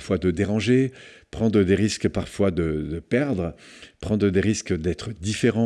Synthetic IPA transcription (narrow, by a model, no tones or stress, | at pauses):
fwad̪əd̪eʁɑ̃ʒe | pχɑ̃d̪ʁəd̪eʁiskpaʁfwad̪əd̪əpɛʁd̪ʁəpχɑ̃d̪ʁəd̪eʁiskd̪ɛt̪χəd̪ifeʁɑ̃